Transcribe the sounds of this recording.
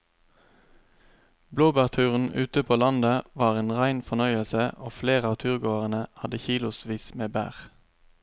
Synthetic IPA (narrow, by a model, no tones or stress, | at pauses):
bloːbæːʁt̪ʰʉːʁən̩ʉːt̪əpʰoːlɑnd̪əʋɑːʁeːnʁæɪnfɔnœʏəlsəʔoːfleːʁəɑːʋt̪ʰʉʁɡoːəʁənəhɑd̪əçiːlʊsʋiːsmeːbæ̰ːʁ